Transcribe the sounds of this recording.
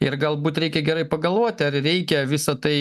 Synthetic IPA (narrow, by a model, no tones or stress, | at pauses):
ɪrɡɐlˠbuːt̪ɾʲɛɪkʲɛɡʲɛɾɐɪpɐɡɐlˠʋoɔt̪ʲɪɐrrʲɛɪkʲɛʋʲɪsɐt̪ɐɪ